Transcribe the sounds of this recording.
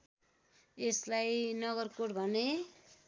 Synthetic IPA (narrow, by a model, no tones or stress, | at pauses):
eslajnʌɣʌrkoɽbʱʌne